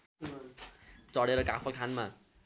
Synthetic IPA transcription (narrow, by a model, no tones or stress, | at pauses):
t͡sʌɽeɾʌkapʰʌlkʰanma